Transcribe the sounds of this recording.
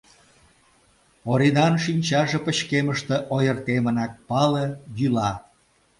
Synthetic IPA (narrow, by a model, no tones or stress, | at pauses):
oɾinɑnʃinʲt͡ɕɑʒĕpə̆ɕkeməʃt̪ĕʔojə̆rt̪emə̆nɑk̚pɑlejylɑ